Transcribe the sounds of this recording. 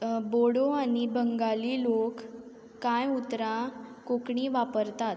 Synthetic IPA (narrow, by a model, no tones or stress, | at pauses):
boɽoanibəŋɡaliːlokː | ãjut̪ɾãkokɳiʋapəɾt̪at̪